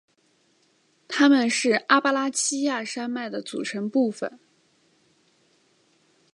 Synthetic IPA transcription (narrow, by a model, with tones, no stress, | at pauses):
t̪ʰa˥mə˨nʂɻ̩˥˩a˥pa˥la˥t͡ɕʰi˥ja˥˩ʂa˥nma˥˩ɪd̪ə˩t͡sṵ˨˩ʈ͡ʂʰə˧˥ŋpu˥˩fə̰˨˩˦n